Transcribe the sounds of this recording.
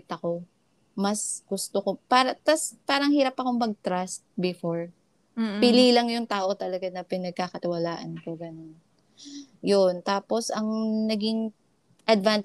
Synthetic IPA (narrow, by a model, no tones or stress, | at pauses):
t̪ɐko̞ | mɐsɡ̥ʊst̪okopaːɾɐt̪ɐspaːɾɐŋhiːɾɐpɐko̞ŋmɐɡ̚t̪ɾast̪̚bɪfoɹ | pɪlilɐŋjʊŋt̪aːʔo̞t̪ɐlɐɡanɐpɪnɐɡ̚kakɐt̪ɪwɐlaːʔɐnkoɡɐno̞n | jont̪aːpo̞sɐŋnɐɡiŋ | ʔɐd̪van